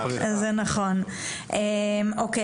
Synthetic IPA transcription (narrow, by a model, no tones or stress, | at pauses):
zɛnɐχon | ʔemoke